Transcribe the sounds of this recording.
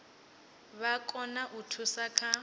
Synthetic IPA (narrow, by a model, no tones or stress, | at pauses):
βakʼɔnaʔutʰusakʰa